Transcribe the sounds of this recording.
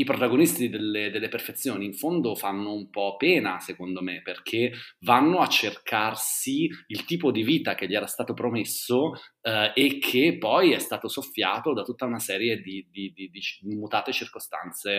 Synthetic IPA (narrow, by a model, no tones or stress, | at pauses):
ipɾot̪aɡonist̪id̪elːed̪elːeperfet̪sːjoːniːɱfond̪ofanːoumpɔpɛːnasekond̪omeperkʰevanːoat͡ʃːerkʰarsiilt̪iːpod̪iviːt̪ak̟eʎːiɛːɾast̪aːt̪opɾomesːo | ekʰːepːɔjɛst̪aːt̪osofːjaːt̪od̪at̪ut̪ːaunasɛːɾjed̪id̪id̪id̪it͡ʃmut̪aːt̪et͡ʃirkost̪a̰nt̪se